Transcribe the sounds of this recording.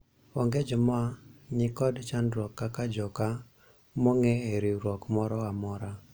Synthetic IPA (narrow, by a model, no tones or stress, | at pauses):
ɔŋɡed͡ʒɔmɔaɲɪkɔdt͡ʃanɾɔkːakad͡ʒɔka | moŋeeɾiɾwɔkmɔɾɔamɔɾa